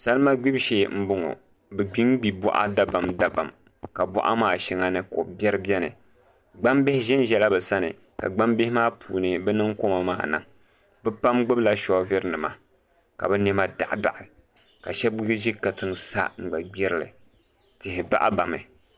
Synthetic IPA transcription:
sa˦lma˦ɡ͡bi˦bʃeː˦˨m̩˦bʊ˦ŋo̰˨ | bɨ˨ɡ͡bi˦ŋɡ͡bi˨bɔ̰˦ʔa̰˦da˦ba˨mda˨ba̰˨m | ka˨bʊ̰˦ʔa̰˦maː˦˨ʃɛ˦ŋa˦nɨ˦ko̰˨bjɛ˦ɾɨ˦bjɛ˦nɨ̰˨ | ɡ͡ba˦mbɪ˦hɪ˦ʒɛ˦n˦ʒɛ˨la˦bɨ˨sa˦nɨ̰˨ | ka̰˨ɡ͡ba˦mbɪ˦hɪ˦maː˦pṵː˨nɨ˨bɛ˦nɨ˦ŋko˦ma˨maː˦˨nɨ̰˨ŋ | bɨ˦pa˦mɡ͡bɨ˦bla˦ʃɔ˨˦vɪ˦ɾɨ˦nɨ˨ma˦ | ka̰˨bɨ˦nɛ˦ma˦da̰˨ʔda̰˨ʔɪ˨ | ka̰˨ʃɛ˦bjʒi˦ka˨tɨ˦ŋsa̰˦ŋ͡m̩˨ɡ͡ba˨ɡ͡bɛ˦ɾɨ˦lɨ̰˨ | tɪ˨hɪ˨ba̰˦ʔa̰˦ba˨mɨ̰˨

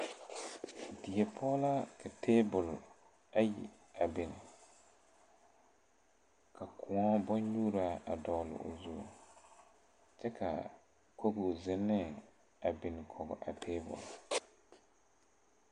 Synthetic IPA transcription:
dɪ˨ɛ˨pʰɔː˦la˦kʰa˨tʰeː˦bʊ˨l | a˦jḭ˨ | a˨bɪ˨nɪ˨ | ka˨kʰʊ̃˨ɔ˦bɔ˦ɲɲuː˦ɾa˨a˨dɔː˨lɪ̰˨o̰˨zu˦˨ | t͡ʃɛ˦kʰa̰˨ | ko˦ɡʊ˨zɪ˦nːɛ˦ | a˨bɪ˨nɪ˨kʰɔ˨ɡɔ̰˨ʔa̰˨tʰeː˦bʊ̰˨l

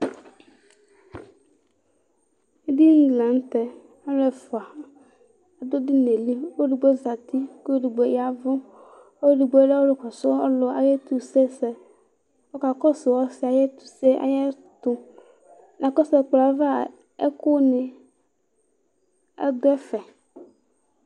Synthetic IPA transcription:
d̪i˦ŋ̩˦ɡlã˨ŋ˦t̪ɛ˨ | a˦ɾɛ˨fo˨a˨˦ | a˨d̪o˦di˦ne˨li˦wo˦ɖi˨ɡ͡be˦za˨t̪i˦ko˦o˦ɖi˨ɡ͡be˦ja˨vʊ˦ | o˦ɖi˨ɡ͡bo˨˦ɖe˦wo˦ɖe˨kɔ˨so˦ɔ˦lo˨a˨je˦t̪u˨se˦sɛ˨ | wo˦ka˨kɔ˦sɪ˨wɔ˦sɪ˨a˨jɛ˦t̪u̥˨se˦ʔa̰˨jɛ˦ | t̪ʊ˨ | nã˨kɔ˦sɛ˦˨k͡pla˨va˦ | ḛ˦kʊ˦nɪ˨ | ɛ̰˦d̪ʊ˦ɛ˦fɛ˨

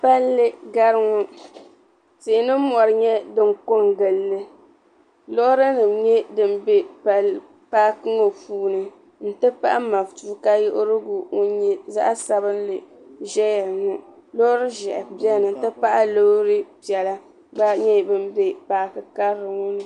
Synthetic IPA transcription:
pa˦lːɨ˦ɡa˦ɾɨ˦ŋʊ˦ | teː˨nɨ˦m˦mɔ˨ɾɨ˨ɲɛ˦dɨ˦ŋko˦ŋɡɨ˨lːɨ˦ | lo˦ɾɨ˦nɨ˨mɲɛ˦dɨ˦˨m˦be˦pa˨l | paː˦kɨ˦ŋo˨puː˦nɨ˨ | n̩˨tɨ˦pa̰˦ʔa˦ma˨ftu˦ka˦ji˦ʔʊ˦ɾɨ˦ɡu˨ŋo˦ɲɛ˦za̰˦ʔa˦sa˦bɨ˦n˦lɨ˨ | ʒɛ˦ja˨ɾŋu˦lo˦ɾɨ˦ʒɛ˨ʔpi˦ɛ˦˨nɨ˨n̩˨tɨ˦pa˦ʔa˦lo˦ɾɨ˦pɛ˨la˦ | ba˦ɲɛ˦˨bɨ˦m˦be˦paː˨kɨ˨ka˦ɾːɨ˨ŋo˦nɨ˨

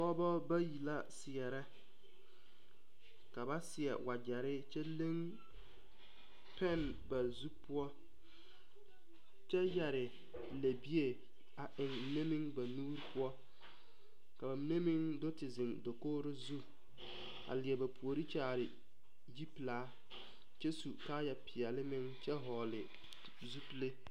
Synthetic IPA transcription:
kɔ˦bɔ˦ba˦ji˨la˦sɪ˨ɛ˨ɾɛ˦ | ka˨ba˦sɪ˨ɛ̰˨wa˨d͡ʒɛ˨ɾɪ˦t͡ʃɛ˦le˦ŋ | pɛ˦˨n | ba˨zu˦pʊ˦ɔ˦ | t͡ʃɛ˦jɛ˨ɾɪ˨ | le˨bi˦e˨ | a˨ʔɪ˨ŋ˨ne˦mɪ˦ŋba˨nuː˦ɾpʰʊ˦ɔ˦ | ka˨ba˨˦ne˦mɪ˦ŋdʊ˦tɪ˨zɪ˨ŋdo˨koː˦ɾɪ˦zu˦ | a̰˨lɪ˨ɛ˨ba˨pʰu˨o˨ɾi˦t͡ʃa˦˨ɾɪ˨ | ji˦plaː˨˦ | t͡ʃɛ˦su˨kaː˦jɛ˨pɪ˨ɛ˨lɪ˦mɪ˦ŋt͡ʃɛ˦ɦɔː˨lɪ˨ | zu˦ple˦

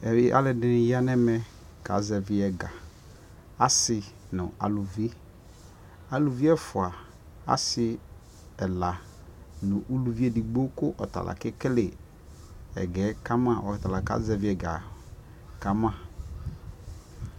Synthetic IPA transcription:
ɛ˨ɪ˦ʔa̰˦lɪ˨dɪ˦nɪ˨ja˦nɛ˦mɛ˦ | ka̰˨˦zɛ˨vɪ˨˦ɛ˨ɡa˨ | a˦sɪ˨ | nʊ˨a̰˨lu˨vi˦ | a˨lu˨vi˦ɛ˦fʊ˨a˨ | a̰˦sɪ˨˦ | ɛ˨la˨ | nʊ̃˨ʔu˦lu˨vi˦e˦˨di˨ɡ͡bo˦kʊ˦ʔɔ˨ta̰˨lʔa̰˨kɪ˦kɪ˦lɪ˨ | ɛ̰˨ɡɛ˨˦ka˦mã˦˨ʔɔ˨ɪ˨ta˨la˨ka̰˨˦zɛ˨vɪ˨˦ɛ˨ɡa̰˨ | ka˦mã˦˨

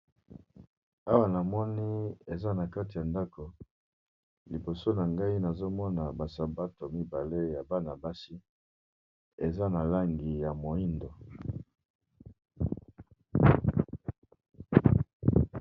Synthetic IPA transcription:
a˦wa˨na˨mɔ˦ni˦e˨za˦na˨ka˦ti˨ja˨nda˦ko˨ | li˨bo˨so˦na˨ŋɡa˦i˦na˨zo˦mɔ˦na˨ba˨sa˨ba˦to˨mi˦ba˨le˦ja˨ba˦na˨ba˦si˦ | e˨za˦na˨la˦ŋɡi˨ja˨mo˨i˦ndo˨

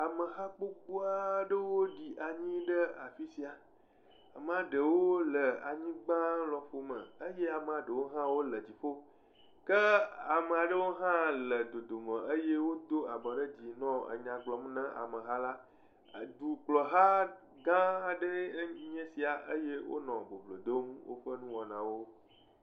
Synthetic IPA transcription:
a˨mə˨ɦa˦k͡po˦k̚u˦a˦ɖə˦wo˦ɖi˨ʔa˨ɲĩ˦ɖə˦a˨fi˦si˨a˨ | a˨mə˨a˨ɖə˨wo˦lə˨a˨ɲĩ˦ɡ͡bã˦lɔ˨ɸo˨mə̰̃˨ə˦je˦a˨me˨a˨ɖə˨wo˦ɦã˦wo˦lə˨d͡ʑi˨ɸo˦ | kə˦a˨mə˨a˨ɖə˦wo˦ɦã˦lə˨d̪o˨d̪o˨mə̃˨ə˦je˦wo˦d̪o˦a˨bɔ˨ɖə˦d͡ʑi˨nɔ̃˦ə̰˨ɲã˨ɡ͡blɔ˨m˦nɛ̃˦ʔa̰˨mə̃˨ɦa˦la˦˨ | d̪u˨k͡plɔ˨ɦa˦ | ɡã˦ɖə˦ɲɛ̃˦si˨a˨ʔə˦je˦wo̰˦nɔ̃˨bo˨vlo˨d̪o˦m˦wo̰˦ɸə˦nũ˦wɔ̃˨nã˨wo˦

